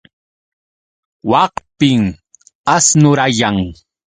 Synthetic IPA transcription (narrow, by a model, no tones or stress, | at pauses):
wɑqpɪŋ | asnʊɾajaŋ